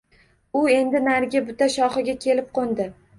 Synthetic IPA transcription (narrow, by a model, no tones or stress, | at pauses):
ʊe̞nd̪ɪnaɾɡʲabʊt̪aʃɒχɨɡʲakʲʰe̞lɪp̚qʰond̪ɪ